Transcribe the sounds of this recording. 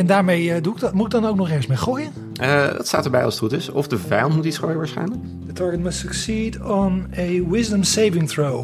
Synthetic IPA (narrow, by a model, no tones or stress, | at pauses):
ɛndaːɹmejduɪɡmutɪɡ̚dɑnowk̚nɔχɛːɹχəsmeχoːjən | ədɑ̰tsta̰ːtəɹbɛ̰jɑ̰lˠstutəsɔ̰fdəvɛjɑntmutitsχoːjəʋaːɹsχɛ̰jnləkk | dətʰɑɹɡətməsəksidɔnəwɪzdəmsejvɪ̃ŋθɹow